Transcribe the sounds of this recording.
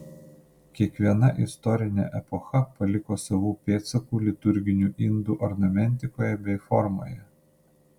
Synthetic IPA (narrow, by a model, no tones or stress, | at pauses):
kʲiɛkʋʲiɛnɐʔɪst̪ɔɾʲɪnʲɛ̰ʔɛpɔxɐpɐlʲɪkoːsɐʋuːpʲeːt̪sɐkuːlʲɪt̪ʊɾʲɡʲɪnʲuːʔɪnd̪uːʔɔɾnɐmʲɛnʲt̪ʲɪkoːjɛbʲɛɪfɔɾmo̰ːjɛ